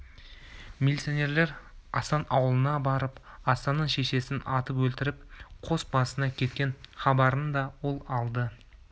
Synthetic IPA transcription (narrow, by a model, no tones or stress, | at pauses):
mʲelʲit̪sionʲe̞ɾle̞ɾɑsɑnʔɑwəlˠənɑbɑɾəp | ɑsɑnːəɴʃe̞ʃe̞sɪnɑt̪əpwɵlt̪ɪɾɪp̚qʰo̞sbɑsənɑkʲʰe̞t̪kʲe̞nχɑbɑɾənd̪ɑwo̞lˠɑlˠd̪ə